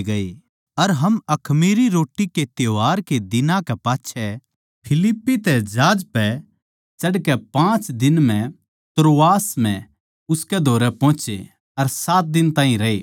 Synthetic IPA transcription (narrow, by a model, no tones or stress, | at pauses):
ɡɐi | ɐɾɦɐmɐkʰmiːɾiɾoːʈːiket̪joaːɾked̪ɪnãkɛpaːtːʃʰɛ | pʰɪlɪpːit̪ɛd͡ʒaːd͡ʒpɛ | t͡ʃɐɽkɛpãːt͡ʃd̪ɪnm̤ɛ̃ | t̪ɾoːaːsmɛ̃ | ʊskɛd̪ʱoːɾɛpɔ̃ːt͡ʃḛ | ɐɾsaːt̪̚d̪ɪnt̪aːɦĩɾɐḛː